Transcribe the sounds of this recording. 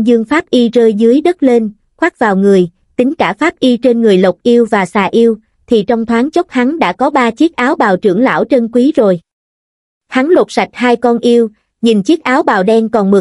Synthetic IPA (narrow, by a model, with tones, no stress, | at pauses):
zɨ˧əŋfaː˦˥p̚ʔi˧zəː˧jzɨ˨˦əjɗə˦˥t̚le˧n | xwa˦˥t̚vaː˨˩wŋɨ˨˩əj | t̪ï˨˦ŋ̟kaː˧˩faː˦˥p̚ʔi˧t͡ɕe˧nŋɨ˨˩əjlə˨˩k͡p̚ʔi˧əwvaː˨˩saː˨˩ʔi˧əw | t̪ʰi˨˩t͡ɕɔ˧wŋ͡mt̪ʰwaː˨˦ŋt͡ɕə˦˥k͡p̚ha˨˦ŋɗa̰ː˧˥kɔ˨˦ɓaː˧t͡ɕi˦˥ək̚ʔaː˨˦wɓaː˨˩wt͡ɕɨ̰˧˩əŋla̰ː˧˥wt͡ɕə˧nkwi˨˦zo˨˩j | ha˨˦ŋlo˨˩t̚sa˨˩jk̚ɦaː˧jkɔ˧nʔi˧əw | ɲi˨˩nt͡ɕi˦˥ək̚ʔaː˨˦wɓaː˨˩wɗɛ˧nkɔ˨˩nmɨ˨˩